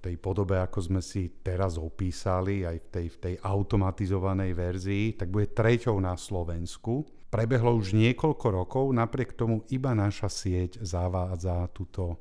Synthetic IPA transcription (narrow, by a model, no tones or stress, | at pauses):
ft̪ɛjpɔd̪ɔbɛakɔzmɛsit̪ɛɾazɔpiːsaliajft̪ɛjft̪ɛjʔaʊt̪ɔmat̪izɔʋanɛjʋɛɾziːt̪aɡ̚buɟɛt̪ɾɛcɔʊnaslɔʋɛnsku | pɾɛbɛɦlɔuʒɲɪɛkɔʎkɔɾɔkɔʊnapɾɪɛkt̪ɔmuʔibanaʃasɪɛczaʋaːd͡zat̪uːt̪ɔ